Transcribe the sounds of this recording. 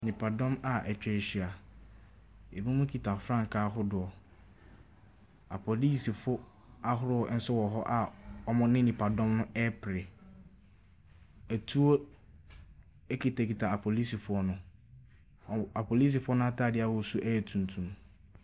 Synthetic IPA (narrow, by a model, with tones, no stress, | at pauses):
nĩ˨pʰa˨dɔ̃˦ma˨ʔɛ˨t͡ɕᶣɛ˨ɕi˨a˨ | e˨bũ˦mũ˦kʰi˨tʰa˨fɾã˦ŋ˨kʰaː˦ɦʊ˦dʊ˨ɔ˨ | a̰˨pʰo˨liː˦si˨fʊ˦ | a˦ɦʊ˦ɾʊ˦ɔ˨˦n̩˦sʊ˦wɔ˨ɦɔ˦ʔa˨ɔ˦mʊ̃˦nɪ̃˦nĩ˨pʰa˨dɔ̃˦mnʊ̃˦ʔɛ˦pʰɾɪ˨ | æ˨tʰu˦o˦ | ɛ˦kʰi˨tʰa˨kʰi˨tʰa˨a˨pʰo˨li˦si˨fʊ˨˦ɔ˦nʊ̃˨˦˨ | a˨pʰo˨li˦s̬i˨fʊ˦ɔ˦nʊ̃˦a˦tʰaː˦˨dɪ˦a˦hɔ˦˨˦su˦ʔɛ˦jɛ˨tʰũ˨n˨tʰũ˨m